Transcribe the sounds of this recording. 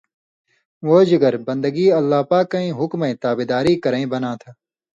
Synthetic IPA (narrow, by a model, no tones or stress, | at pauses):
ʋoːd͡ʒɪɡəɾbɐ̃nd̪əɡiːɐlːaːpaːkːɐ̃ĩːɦʊkmẽːt̪aːbed̪aːɾiːkɐɾẽĩbɐnãːt̪ʰaː